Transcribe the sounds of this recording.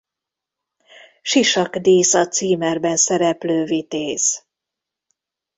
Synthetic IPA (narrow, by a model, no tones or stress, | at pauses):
ʃiʃɒkd̪iːsɒt̪siːmɛrbɛnsɛɾɛpløːvit̪eːz